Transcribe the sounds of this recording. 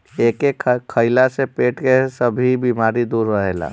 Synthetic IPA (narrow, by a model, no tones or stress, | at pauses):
eːkekkʰːəɪlasepeːʈkesəbʱibiːmaːɾid̪uːɾːəɦeːla̰ː